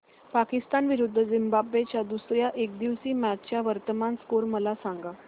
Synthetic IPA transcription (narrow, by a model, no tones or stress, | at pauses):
pakist̪anʋiɾud̪ʱːəd͡zimbabʋet͡ɕjad̪usɾjaʔek̚d̪iʋsiːmæt͡ɕt͡ɕjaʋəɾt̪əmanskoɾməlasaŋɡa